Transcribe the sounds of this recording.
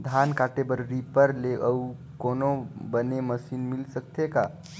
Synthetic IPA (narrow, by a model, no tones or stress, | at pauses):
d̪ʱankaːʈebəɾɾipəɾleʔəu | koːnobəneməsiːnmɪlsək̚t̪eka